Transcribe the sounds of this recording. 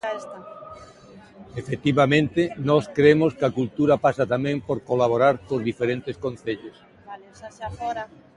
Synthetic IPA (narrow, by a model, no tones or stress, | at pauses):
efet̪iβamẽnt̪ɪnɔskɾemoskakult̪uɾapasat̪amẽŋpoɾkolaβ̞oɾaɾkozðifeɾẽnt̪eskõnθeʎos